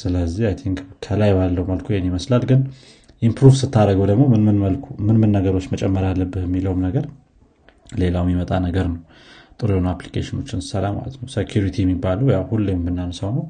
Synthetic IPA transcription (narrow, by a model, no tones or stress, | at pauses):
sɨləzːiajt̪ʰiŋkkʰəlajbalːəwuməlkʰojɛnːiməslalɡɨn | ʔimpɾuvsɨt̪ʰːaɾəɡəwd̪əɡmo̞mɨnmɨnəlkmɨnmɨnːəɡəɾo̞t͡ʃːmət͡ʃʼɛmːəɾalːəbːɨhjɛmːiləwmnəɡəɾ | le̞lawmjimət̪ʼanəɡəɾnəw | t̪ʼɨɾjonaplikʰeʃɪno̞t͡ʃːɪn̥səlama̰lə̰t̪nəwsekʰjuɾit̪ʰiɛmːibːaləwjawhulːembɨnːansəwnəw